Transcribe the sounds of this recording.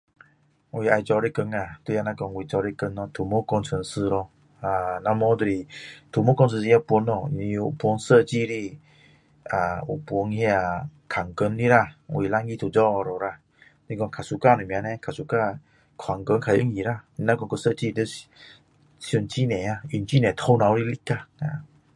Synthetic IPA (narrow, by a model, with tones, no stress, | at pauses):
wi˧˨ʔa˧jt͡sɔ˧ɾe˧˨kə˧ŋa˧˨t̪wu˧ja˧na˧kɔ˧ŋwi˨t͡ɕɔ˧ɾe˧˨kə˧˦nːɔ˧˨t̪ʰu˨˩mo˦kɔ˧nt͡sʰə˧nsɨ˧˨ɾɔ˧ | a˨na˧mɔ˧˦d̪ə˧ɾi˨t̪ʰu˨˩mo˦kɔ˧nsʰə˧si˧ja˧pu˧˦nːɔ˧˨nĩ˧ṵ˧˨pu˧˦ŋsə˧˨t͡ɕi˧˨ɾi˧˨ | a˨ṵ˨pu˧˦ŋhja˧kʰa˨˩ŋkə˧˦nli˦ɾa˧˨wʔi˨la˧˦ŋi˧˨t̪ʰu˨d͡zɔ˧˦˨ɾo˨ɾa˧˨ | ni˧˦˧kɔ˧ŋkʰa˨su˧ka˧˨ne˨mĩ˧ã˧nɛ̃˧kʰa˨su˧ka˧ | kʰwa˨˩ŋkə˧˦nkʰa˨jə˧˦ŋji˧˨ɾa˧ni˧nã˦kɔ˧ŋkə˧˨sə˥˧˨t͡ɕi˦˧t̪ə˧˦s | su˧˩˨nt͡ɕi˦˨nɛ̃˨˩a˧i˧˨nt͡ɕi˦nɛ̃˨t̪ʰo˧wnã˧˦wɾi˧li˦ka˧˨na˧˨